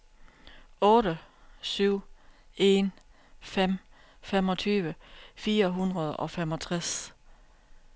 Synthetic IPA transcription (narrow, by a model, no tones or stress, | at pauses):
ɔ̽ːɾə | syʊ̰e̝n | fem̰ | femɒ̽t͡sʰyːʋəfiːɐɦunʁɐð̞ˠɒ̽femɒ̽t͡sʰʁas